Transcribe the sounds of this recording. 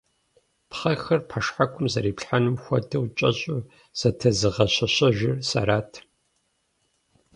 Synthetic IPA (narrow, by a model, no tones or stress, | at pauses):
pχɐxɐrpʰɐʂħakʷʰʊmzɐɾiːpɬħanɨmxʷɐdʰɐwt͡ʃʼɐɕʼu | z̥ɐtʰɐzɨʁɐɕɐɕɐʒɪrsa̰ɾaːtʰ